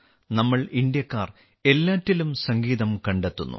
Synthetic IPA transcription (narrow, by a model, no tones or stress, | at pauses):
nɐmːɐɭind̪jɐkːaːr | e̞lːaːtːilumsɐŋɡiːðɐmkɐɳɖet̪ːunːṵ